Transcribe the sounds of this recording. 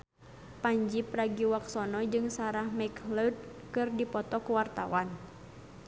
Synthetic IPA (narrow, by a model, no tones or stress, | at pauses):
paɲd͡ʒipɾaɡiwaksɔnɔd͡ʒɨŋsaɾahmakləd̚kɨrdipɔt̪ɔkuwart̪a̰wan